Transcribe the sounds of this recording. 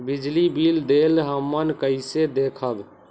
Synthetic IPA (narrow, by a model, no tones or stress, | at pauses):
bid͡ʒlibild̪elɦəmːənkəɪsed̪ekʰəb